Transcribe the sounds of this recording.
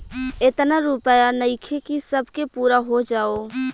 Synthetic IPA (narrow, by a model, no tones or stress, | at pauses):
ɪt̪naɾuːpəjanəɪkʰekisəbʱkepuːɾaɦod͡ʒaːoː